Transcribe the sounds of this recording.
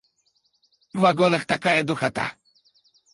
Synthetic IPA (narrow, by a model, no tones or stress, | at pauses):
vvaɡɔnaxt̪akajɛd̪uxat̪a̰